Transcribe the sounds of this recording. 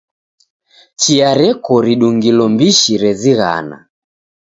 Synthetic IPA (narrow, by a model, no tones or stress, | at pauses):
t͡ʃiaɾɛkɔɾiɗuŋɡilɔmbiʃiɾɛziɣa̰na̰